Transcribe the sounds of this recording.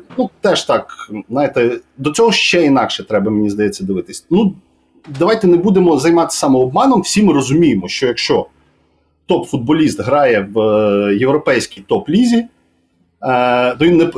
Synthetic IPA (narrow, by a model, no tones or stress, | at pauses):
nut̪ɛʃt̪ɑkznɑjɪt̪ɛd̪ɔt͡sʲɔɦɔʃt͡ʃɛinɑkʃɛt̪ɾɛbɐmenʲizd̪ɐjɛt͡sʲːɐd̪ɪʋɪt̪ɪsʲnu | d̪ɐʋɑjt̪ɛnebud̪emɔzɐjmɑt̪ɪ̥sɑmɛɔb̚mɑnɔmwsʲimɪɾɔzʊmʲijemɔʃt͡ʃɔjɐkʃt͡ʃɔ | t̪ɔpfʊd̪̚bɔlʲist̪ɦɾɑjɛwjewɾɔpɛjsʲkʲijt̪ɔplʲizʲi | t̪ɔʋʲinːɛ